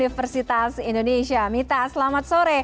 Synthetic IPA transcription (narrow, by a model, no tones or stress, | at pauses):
ifɛrsit̪asindoneʃiamit̪aslamat̪̚soɾe